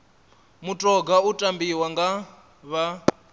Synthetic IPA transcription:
mutʼɔɡautʼambiwaŋɡa | βa

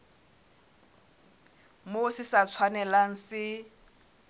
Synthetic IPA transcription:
mosɪsat͡sʰwanɛlaŋ̩sɪ

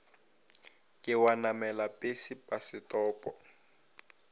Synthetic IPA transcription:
kʼɪwanamɛlapʼesipʼasɪtʼɔːpʼɔ

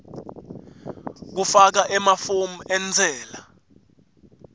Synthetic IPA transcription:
k̬ufak̬aʔɛmafom̩ɛnd͡zʱɛːla

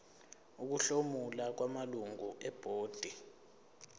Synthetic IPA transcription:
uk̬uɬomulak̬wamaluŋuʔɛb̥ʱoːd̥ʱi

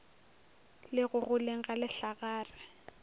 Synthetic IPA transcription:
lɪɣʊɣʊleŋ̩ɣalɪɬaɣaːrɪ

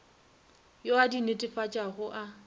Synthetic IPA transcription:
joadinetʼɪfat͡ʃʼaχʊʔa

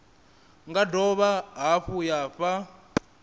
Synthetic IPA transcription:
ŋɡadɔβaɦaɸujaːɸa

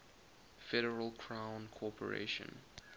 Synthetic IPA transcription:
fɛɾəɹəlˠkʰɹ̥ãʊ̃nkʰɔpʰəɹḛɪʃə̰̃n

